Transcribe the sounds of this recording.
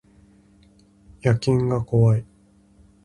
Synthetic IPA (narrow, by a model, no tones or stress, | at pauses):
jakʲĩŋɡako̞βai